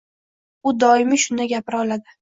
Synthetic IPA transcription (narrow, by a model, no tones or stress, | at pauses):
ʊd̪ɒɪmɪʃʊnd̪aɡʲapɪɾɒlad̪ɪ